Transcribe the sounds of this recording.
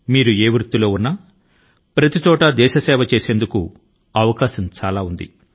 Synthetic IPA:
miːɾue̞ːʋɾut̪ːulo̞ːunːɐ | pɾɐt̪it͡ʃɔːʈɐd̪ɛːʃɐsɛːʋɐt͡ʃe̞ːse̞ːnd̪uku | ɐʋɐkaːʃɐmt͡ʃaːlaːund̪ḭ

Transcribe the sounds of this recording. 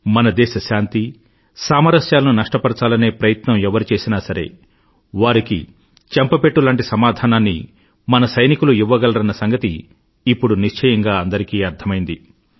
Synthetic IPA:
mɐnɐd̪ɛːʃɐʃaːnt̪i | saːmɐɾɐʃjaːlɐnunɐʂʈɐpɐɾɐt͡ʃaːlɐne̞ːpɾɐjɐt̪nɐmɛʋɐɾut͡ʃe̞ːsinaːsɐɾe̞̰ː | ʋaːɾikḭ | t͡ʃɐmpɐpeʈːulaːɳʈisɐmaːd̪ʱaːnaːnːḭ | mɐnɐsɐjnikuluiʋːɐɡɐlɐɾɐnːɐsɐŋɡɐt̪iː | pːuɽuniʂt͡ʃʰɐjɐŋɡaːɐnd̪ɐɾikiːɐɾd̪ʰɐmɐjind̪i

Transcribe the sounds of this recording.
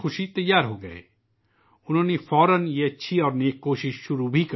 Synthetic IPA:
xʊʃit̪ɐjːaːɾɦoːɡɐ̰ḛː | ʊnõːnepʰɔːɾənjeɐtːʃʰiɔːɾneːkːoːʃɪʃʃʊɾubʱik

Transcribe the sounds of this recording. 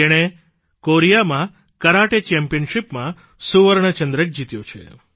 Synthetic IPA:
eɽ̃e | koɾijamã | kəɾaʈet͡ʃɛmpijənʃipmã | suʋəɾɳ̃ət͡ʃənd̪ɾək̚d͡ʒit̪jõt͡ʃʰḛ

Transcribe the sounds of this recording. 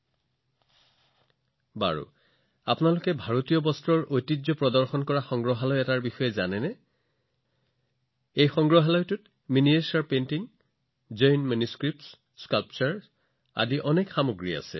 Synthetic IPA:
ba̰ɹṵ | apnalʊkɛbʱaɹotijɔbɔstɹɔɹojtizɔpɹɔdɔɹxɔnkɔɹaxɔŋɡɹɔɦalɔjɛtaɹbixɔjɛzanɛnɛ | ejxɔŋɡɹɔɦalɔjtʊt | miniesaɹpentiŋ | zɔjnmanjuskɹip̚ts | skalpt͡ʃɔɹ | a̰diʔɔnekxamoɡɹia̰sɛ̰

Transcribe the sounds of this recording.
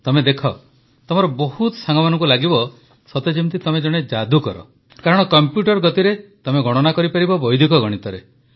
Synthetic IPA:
t̪ɔmed̪ekʰɔ | t̪ɔmɔɾɔbɔhut̪ɔsaŋɡɔmanɔ̃ŋkulaɡibɔ | sɔt̪ed͡ʒimt̪it̪ɔmed͡ʒɔɽ̃ed͡ʒad̪ukɔɾɔ̰ | kaɾɔɽ̃ɔkɔmpjuʈɔɾɡɔt̪iɾet̪ɔmeɡɔɽ̃ɔnakɔɾipaɾibɔbɔjd̪ʱikɔɡɔɽ̃it̪ɔɾe

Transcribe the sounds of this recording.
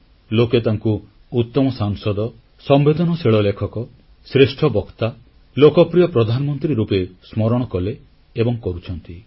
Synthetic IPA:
loket̪aŋku | ut̪ːɔmɔsaŋsɔd̪ɔ | sɔmbed̪ɔnɔseɭɔlekʰɔkɔ | sɾesʈʰɔbɔkt̪a | lokɔpɾijɔpɾɔd̪ʱanɔmɔnt̪ɾiɾupesmɔɾɔɽ̃ɔkɔleː | bɔŋkɔɾut͡ʃʰɔnt̪i

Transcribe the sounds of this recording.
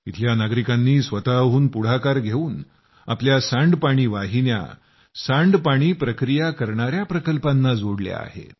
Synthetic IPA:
it̪ʰljanaɡɾikanːiːsʋət̪aɦuːnpuɽ̤akaɾɡʱeuːn | a̰pljasãɳɖpaɽ̃iːʋaɦinja̰ | sãɳɖpaɽ̃iːpɾəkɾijakəɾɳaɾjapɾəkəlpanːad͡zoɽlja̰a̰ɦḛ

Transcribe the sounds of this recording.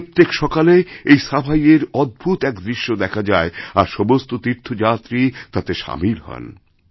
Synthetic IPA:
t̪ːekʃɔkaleejsabʱajeɾɔd̪̚bʱut̪ɛkd̪ɾiʃːod̪ɛkʰad͡ʑaeaɾʃɔbost̪ot̪iɾt̪ʰod͡ʑat̪ɾit̪at̪eʃa̰milɦɔ̰n

